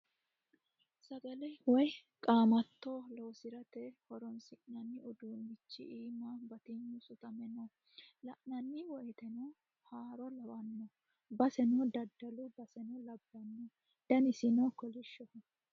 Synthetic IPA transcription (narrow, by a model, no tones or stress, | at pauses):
sɐɡɐlɛjwɔj | kʼaːmɐt̪ːoloːsɪɾɐt̪ɛhɔɾɔnsɪʔnɐnːɪʔɔd̪uːnbɪt͡ʃːɪ̰ʔiːmːabɐt̪ɪɲːusʊt̪ɐmɛnɔ | lɐʔnɐnːɪwɔjt̪ɛnɔ | haːɾɔlɐwɐnːɔ | bɐsɛnɔd̪ɐd̪ːɐlʊbɐsɛnɔlɐbːɐnːɔ | d̪̥ɐnɪsɪnɔkɔlɪʃːɔ